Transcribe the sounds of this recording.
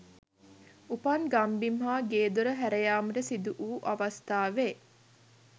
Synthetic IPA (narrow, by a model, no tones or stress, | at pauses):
upɐnɡambimɦaːɡeːd̪uɾəɦæɾejaːməʈəsid̪uʔuːʔaʋast̪aːʋe